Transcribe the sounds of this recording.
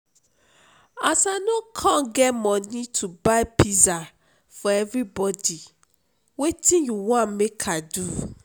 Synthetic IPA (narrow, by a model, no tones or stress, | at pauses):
asanɔ̃kʰãɡɛmɔ̃nĩtʰubaɪpiza | fɔɛvɾibɔdi | wetĩjuwãmekʰadu